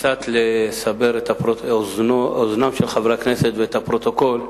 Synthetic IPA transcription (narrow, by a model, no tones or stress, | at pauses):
t͡sat̪lesabeʁet̪apʁozooznamʃelχavʁakneset̪veet̪apʁo̞t̪oko̞l